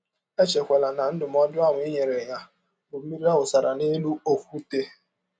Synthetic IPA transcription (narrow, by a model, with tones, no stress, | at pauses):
e˦t͡ʃe˨kʷe˨la˨na˨n̩˦dʊ˨m̩˦ɔ˦dʊ˦a˦˨ŋʷ˨˦i˦ɲe˨ɾe˨ɲa˦ | o˨˦mi˦ɾi˦a˦wʊ˨sa˨ɾa˨ne˦lu˦o˦kʷu˦te˦